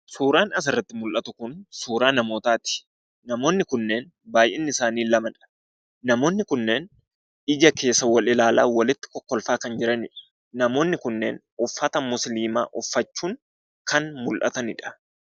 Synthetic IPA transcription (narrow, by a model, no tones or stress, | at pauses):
suːɾaːnɐs̬ɪrːɐt̪ːɪmʊlʔɐt̪ʊkʊnsuːɾaːnɐmo̞ːt̪aːt̪ɪ̥ | nɐmo̞ːnːɪkʊnːe̞ːn | baːjʔɛnːɪɪsaːniːlɐmɐᶑɐ̥ | nɐmo̞ːnːɪkʊnːeːn | ɪd͡ʒɐke̞ːsːɐwɐlɪlaːla̰ːwɐlɪt̪ːɪ̥kɔkːɔlfaːkɐnd͡ʒɪɾɐnɪᶑɐ̥ | nɐmo̞ːnːɪkʊnːḛːn | ʊfːɐt̪ɐmʊsliːma̰ːʔʊfːɐt͡ʃːuːŋ | kɐnmʊlʔɐ̰t̪ɐnɪᶑɐ̥